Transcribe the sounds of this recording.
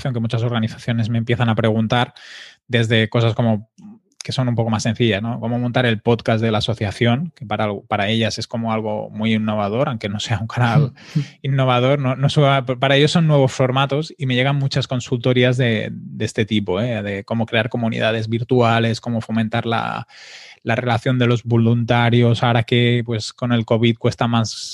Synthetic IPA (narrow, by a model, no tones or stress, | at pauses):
θjoŋkemut͡ʃaso̞ɾɣaniθaθjo̞ne̞zme̞mpje̞θanapɾe̞ɣ̞unt̪aɾ | d̪e̞zðe̞ko̞s̬asko̞mo̞ | ke̞so̞numpo̞ko̞masːenθiʎasno̞komomont̪aɾe̞lpo̞t̪kazðe̞laːso̞θjaθjo̞ŋke̞paɾalpaɾae̞ʎase̞sko̞moalɣ̞o̞̰mujinːo̞βaðo̞ɾaw̃ŋke̞no̞se̞auŋkanalinːo̞βað̞o̞ɾnonosuappaɾae̞ʎo̞sːo̞nːwe̞β̞o̞sfo̞ɾmat̪o̞sime̞jʝe̞ɣ̞anmut͡ʃasko̞nsult̪o̞ɾiazðe̞d̪est̪e̞t̪ipo̞eðe̞ko̞mo̞kɾe̞aɾko̞munḭðað̞e̞zβiɾt̪uale̞sko̞mo̞fo̞mẽnt̪aɾla̰ | lare̞laθjo̞nd̪e̞lo̞zβolunt̪aɾjo̞saoɾake̞pwe̞sko̞ne̞lko̞β̞it̪̚kwe̞st̪amas